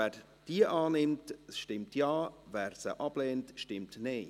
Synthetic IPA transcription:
ɛ | d̥iːəʔaːnɪmtʃtɪmtjaːvɛːɾsə̰ʔɑb̥lɛːntʃtɪmtneː

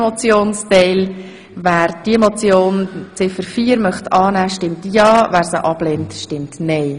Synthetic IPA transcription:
mɔt͡sjoːnstɛɪl | væːɾd̥iemot͡sjoːnt͡sɪfəɾfiːɾmœχtɑːnæːʃtɪmtjɑːvæːɾsəʔɑb̥lɛntʃtɪmtnɛɪ

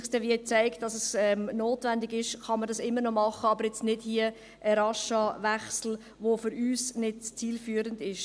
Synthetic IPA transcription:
sd̥ɛʋiət͡sæɪkt̚d̥ɑsəsɛmnoːtvændɪɡɪʃχɑnmːəɾdɑsɪmːəɾnɔmɑχəɑbəɾjɛt͡stnɪd̥hiə | ʔəɾɑʃɑvæχsl̩ | ʋofʏɾyːsnɪdt͡siːlfyːəɾəndɪʃ

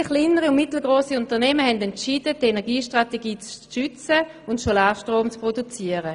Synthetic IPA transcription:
χliːnəʁiʊnmɪtl̩ɡʁoːsiʊntəɐnɛməhɛndɛntt͡ʃiːdədenɛɐɡiːʃtʁateɡiːt͡sʃʏt͡sə | ʊntsolaːʃtʁoːmt͡spʁodut͡siːəʁə

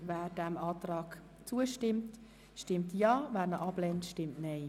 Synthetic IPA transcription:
vɛːɾdɛmɑːtɾɑːɡ̥ | t͡suəʃtɪmt | ʃtɪmtjɑːvæːɾnəʔɑblɛntʃtɪmtnɛɪ

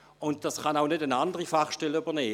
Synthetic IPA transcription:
ʊnt̚d̥asχɑnaʊnødənandəʁifaχʃtɛləybɐnɛː

